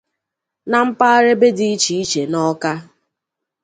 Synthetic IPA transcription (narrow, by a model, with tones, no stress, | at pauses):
na˨m̩˦pa˦a˦ɾe˦be˦di˦i˦t͡ʃi˨i˦t͡ʃe˨nɔ˦ka˦